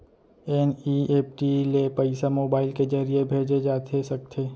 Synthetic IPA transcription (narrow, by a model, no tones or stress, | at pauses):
ɛnieːpʈilepəɪsamoːbaːɪlked͡ʒəɾiebʱeːd͡ʒed͡ʒaːt̪ʰesɐk̚t̪ʰeː